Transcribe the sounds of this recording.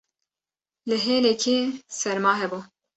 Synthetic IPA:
lɨɦeːlɛkʰeːsɛɾmɑːɦɛbuː

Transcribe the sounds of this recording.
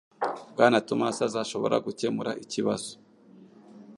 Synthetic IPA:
bɡaːnatumasazaʃo̞βo̞̰ɾa̰ɡuce̞muɾaʔiciβazo̥

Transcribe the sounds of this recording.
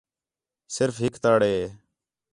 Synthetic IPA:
sɪɾfɦɪkt̪aːɽeːɦeː

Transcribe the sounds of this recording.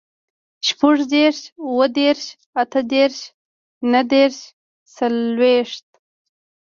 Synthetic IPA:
ʃpəʐd̪eɾʃuwəd̪eɾʃ | at̪əd̪eɾʃ | nəd̪eɾʃ | salweʂt̪̚

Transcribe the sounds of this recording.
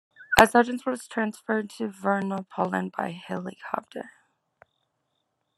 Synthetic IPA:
ʔəsʌd͡ʒɨ̃nswʌz̥tʰɹ̥æ̃nsfɜ˞d̚tʰɨvɜ˞nəpʰɔlˠə̰̃nba̰ɪhɪlˠɨkʰɑ̰p̚tʰə̰˞

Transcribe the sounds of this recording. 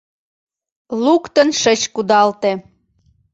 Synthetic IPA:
lukt̪ənʃət͡ɕkud̪ɑlt̪e

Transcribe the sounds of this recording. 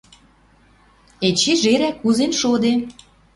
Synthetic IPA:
et͡ɕeʒeɾækːuzenʃod̪e

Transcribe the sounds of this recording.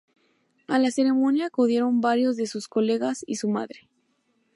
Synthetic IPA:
alase̞ɾe̞mõ̞njakuðje̞ɾo̞mbaɾjo̞zðe̞susko̞le̞ɣasḭsuma̰ðɾe

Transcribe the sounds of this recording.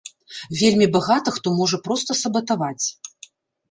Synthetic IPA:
vʲelʲmʲibaɣat̪ɐxt̪ɔmɔʐɐpɾɔst̪ɐsɐbɐt̪avat͡sʲ

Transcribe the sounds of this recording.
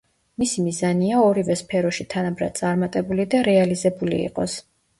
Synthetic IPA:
misimizaniaɔɾivɛspʰɛɾɔʃit̪ʰanabɾa̰d̪̚sʼaɾmat̪ʼɛbulid̪aɾɛalizɛbulḭːqʼɔs

